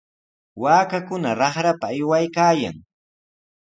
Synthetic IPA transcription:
waːkakʊnaɾɑχɾapaːjwajkaːja̰ŋ

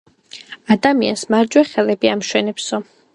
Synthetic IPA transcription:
ad̪amiansmaɾd͡ʒwɛχɛlɛbiamʃwɛnɛpsɔ

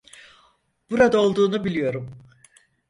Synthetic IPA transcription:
b̥uɾad̪ao̞lˠd̪uːnubilʲijo̞ɾum

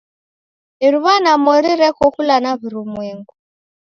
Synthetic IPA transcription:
iɾuβanamɔɾiɾɛkɔkulanaβuɾumweːŋɡu

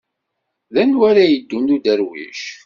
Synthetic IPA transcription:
ðænwæɾæjəd̪ːunud̪əɾwḭʃ

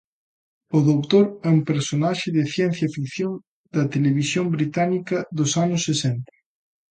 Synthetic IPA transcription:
ʊðowt̪oɾɛumpeɾsonaʃɪðɪθjɛn̟θjɐfikθjoŋ | d̪ɐt̪eleβ̞isjombɾit̪anikɐðosanʊsːesɛnt̪ɐ̥

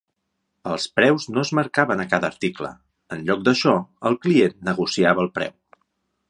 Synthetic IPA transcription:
əlˠspɾɛwznoəzməɾkaβənəkaðəːɾt̪iklə̰ | ənʎɔk̚d̪əʃɔəlˠklienːəɣusiaβəːlˠpɾɛ̰w

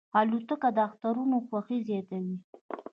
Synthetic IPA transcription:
ɑlut̪əkad̪əaxt̪aɾunoxwaxizjɑt̪awi

